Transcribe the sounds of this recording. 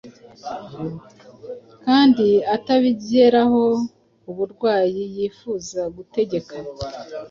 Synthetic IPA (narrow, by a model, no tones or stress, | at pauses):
kaːndiataβibeɾaho̞ | uβuɾɡwaːjijiːfuːzaɡute̞ɟe̞kʰa